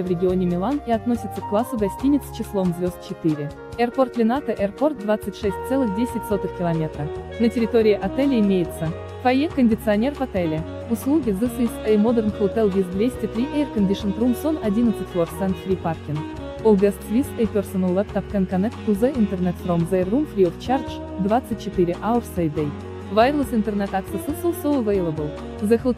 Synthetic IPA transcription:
vɾʲɪɡʲɪonʲɪmʲɪlˠaniɐt̪nosʲɪt̪sːəkːlˠasʊɡɐsʲtʲinʲɪt̪st͡ɕɪslˠo̞mzvʲo̞zt̪̚t͡ɕɪt̪ɨɾʲɪ | ɛrpo̞rt̪lʲɪnat̪əʔɛrport̪̚d̪vat̪sɨtʲʂɛsʲt̚ʲt̪sɛlˠɨxdʲesʲɪt̚ʲsot̪ɨxkʲɪlˠɐmʲet̪ɾənətʲɪɾʲɪt̪oɾʲɪːʔɐt̪ɛlʲɪɪmʲejɪt̪sə | fɐjekənʲdʲɪt̪sɨɐnʲe̞rfɐt̪ɛlʲɪ | uslˠuɡʲɪzɨsvʲist̪ejmod̪ərnxlˠt̪ɛlˠvʲizblʲesʲtʲɪp̪ɾʲiʔejrkənʲdʲiʂənt̪rumsonɐdʲinət̪sɨtʲlˠorsɛnt̪fɾʲiparkʲɪn | olˠɡast̪svʲist̪ejpʲersonulˠɛp̚t̪ap̚kɛnkanɛk̚t̪uzəɪnt̪ərnɛt̪fromzəjrːumflʲioft͡ɕart͡ʃ | d̪vat̪sːɨt̚ʲt͡ʃːɪt̪ɨɾʲɪʔaʊrsajd̪ej | vajrlˠəsɨnt̪ərnɛt̪ak̚t̪səsɨsolˠsovəvejlˠəbəlˠ | zɨxlˠ

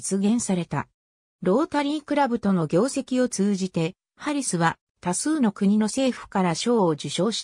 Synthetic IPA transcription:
t͡sɨɡẽ̞ɰ̃saɾe̞t̪a̰ | ɾo̞ːt̪aɾʲĩŋkɯ̟ɾabɯ̟t̪o̞no̞ɡʲo̞ːse̞kʲio̞t͡sɨːʑit̪e̞ | haɾʲisɨβa | t̪asɨːno̞kɯ̟ɲ̟ino̞se̞ːɸɯ̟̥kaɾaɕo̞ːod͡ʑɨɕo̞ːɕi̥

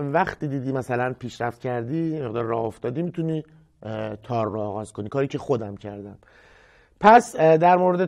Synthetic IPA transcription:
væχt̪iːd̪iːd̪iːmæsælænpiːʃɾæft̪̚cʰæɾd̪iːjemeɣd̪ɒːɾɾɒːoft̪ɒːd̪iːmit̪ʰuniː | t̪ʰɒːɾːoɒːɣɒːzkʰo̞niːkɒːɾiːcʰe̞xo̞d̪æmcʰæɾd̪æm | pʰæsd̪æɾmoːɾed̪e

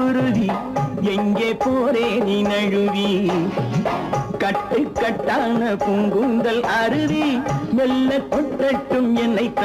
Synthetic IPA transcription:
ʊɾɯði | ɛŋɡeːpoːɾeːniːnɐɻɯʋi | kɐʈːɯkːɐʈːaːnɐkʊŋɡɯnd̪ɐlʔɐɾɯðiʋɛlːɐkːɔʈːɐʈːɯmɛnːɐɪp̪ːɐ

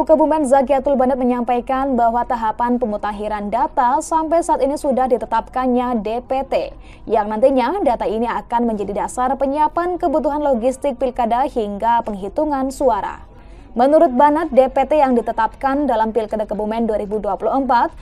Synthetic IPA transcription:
ukabumɛnzakiat̪ulbanat̪̚məɲampajkanbaɦwat̪aɦapanpəmut̪aɦiɾandat̪asampajsaʔːt̪inisudahdit̪ət̪ap̚kanɲadepet̪e | jaŋnant̪iɲadat̪ainiakanməɲd͡ʒadidasarpəɲiapankəbut̪̬uɦanloɡist̪ɪk̚pilkadahiŋɡapəŋɦit̪uŋansuaɾa̰ | mənuɾʊt̪̚banat̪̚depet̪ejaŋdit̪ət̪ap̚kandalampilkadakabumɛnduaɾibuduapuluhəmpat̪̚

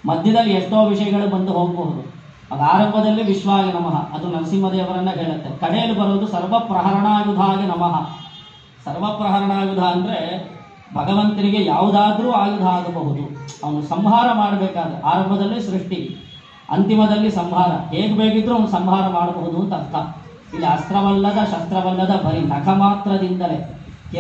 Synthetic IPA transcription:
mɐd̪ʱjɐd̪ɐlːiɛʂʈoːʋiʂɐjɐɡɐɭubɐnd̪uɦoːɡ̚bɐɦud̪u | a̰ːɡaːɾɐmbʱɐd̪ɐlːiʋiʂʋaːɡɐnɐmɐɦɐ̰ʔɐd̪ɾunɐnɐsimːɐd̪eːɐʋɐɾɐnːɐɦe̞ːɭɐt̪ːekɐɦejɐlːibɐɾoːd̪usɐɾʋɐpɾɐɦɐɾɐɳaːjud̪ʱaːɡinɐmɐɦɐ | sɐɾʋɐpɾɐɦɐɾɐɳaːjud̪ʱɐːnd̪ɐɾe̞ | bʱɐɡɐʋɐnt̪iɾiɡe̞jaːʋud̪aːd̪ɾuːaːjud̪ʱaaːɡ̪bɐɦud̪uɐʋɐnusɐmɦaːɾɐmaːɽɐbeːkaːd̪ɾeʔaːɾɐbʱɐd̪ɐlːiʃɾiʂʈi | ɐ̰nt̪imɐd̪ɐlːisɐmɦaːɾɐɦeːɡbeːkid̪ɾuɐʋnusɐmɦaːɾɐmaːɽɐbɐɦud̪uɐnt̪ɐɐɾt̪ʰːɐ | ilːiɐst̪ɾɐʋɐlːɐd̪ɐʃɐst̪ɾɐʋɐlːɐd̪ɐbʱɐɾinɐɡʰʱɐmaːt̪ɾɐd̪ind̪ɐle | k

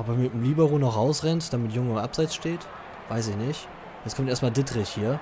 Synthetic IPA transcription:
ʔɔpvɛmɪtm̩liːbɐʁoːnɔχʁaʊsʁɛntd̥amɪtjʊŋəʔapz̥aɪt͡sʃteːt | v̥aɪsɪçnɪçt | jɛt͡skɔmteːɐstmaːldɪtʁɪçhiːɐ

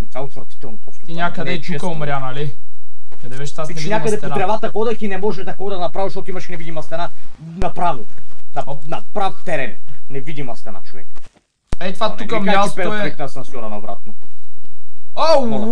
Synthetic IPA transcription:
it̪vaɛʊt̪vəɾt̪it̪ɛlˠnopɾɔst̪oiɲʲakɐd̪ɛt͡ʃuɛkɐlˠmɾjanɐli | kɐd̪ɛbɛʃt̪aspinɛʃiɲʲakɐɛppoaɾɛvat̪ɐkɔd̪ɛxinɛmɔʒɛt̪ɐkɔvɐd̪ɐnɐpɾaviʃt̪ot̪ʊimɐʃnɛvid̪imɐst̪ɛna | nɐpɾavinɐnɐpɾavt̪ɛɾɛnnɛvid̪imɐst̪ɛna̰t͡ʃovɛ̰k | ɛt̪vat̪ukikaaispɛɛit̪ɐsɐnsjɔɾɐnɐʊbɾa̰t̪no | oɔ

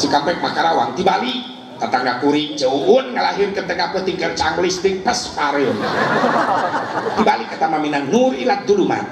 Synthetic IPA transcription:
sikampɛk̚makaɾawaŋt̪ibali | t̪at̪aŋɡakuɾit͡ʃəuʊnŋəlaɦɪrkət̪əŋapət̪iŋɡalt͡ʃaŋlist̪ɪk̚pəspaɾɛn | t̪ibalikat̪amaminanːuɾilat̪̚d̪uluma̰n

